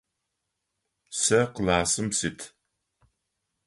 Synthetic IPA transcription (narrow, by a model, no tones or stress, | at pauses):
sɐqəlaːsɨmsɪtʰ